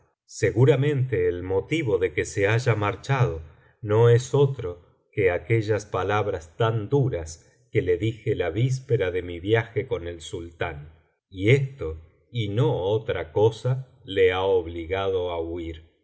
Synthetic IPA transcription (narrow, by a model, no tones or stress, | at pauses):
se̞ɣuɾamẽ̞nt̪e̞ːlmo̞t̪iβo̞ðekeseaʒamaɾt͡ʃað̞o̞ | no̞eso̞t̪ɾo̞ | keakeʒaspalaβɾast̪and̪uɾas | keleðixelaβis̬peɾaðe̞miβjaxeko̞nelsult̪an | iest̪o̞ | inoot̪ɾakosa | leaoβliɣað̞oauiɾ